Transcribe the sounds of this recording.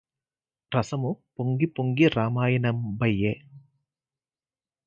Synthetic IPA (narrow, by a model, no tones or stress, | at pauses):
ɾɐsɐmupoŋɡipoŋɡiɾaːmaːjɐnɐmbɐjːe